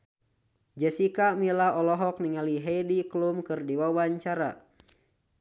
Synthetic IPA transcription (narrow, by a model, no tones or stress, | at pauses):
d͡ʒɛsikamilaɔlɔɦɔk̚niŋaliɦɛidiklumkɨrdiwawaɲt͡ʃaɾa̰